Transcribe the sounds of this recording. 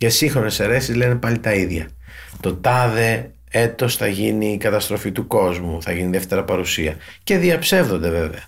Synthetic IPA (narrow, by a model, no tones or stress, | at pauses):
cesiŋxɾo̞ne̞se̞ɾe̞sizle̞ne̞pɐlit̪ɐiðʝɐ̰ | t̪o̞t̪ɐðe̞ | e̞t̪o̞sθɐʝiniːkɐt̪ɐst̪ɾo̞fit̪uko̞zmuθɐʝiniðeft̪e̞ɾɐpɐɾusiɐ | ce̞ðiɐpse̞vðo̞nd̪e̞ve̞veɐ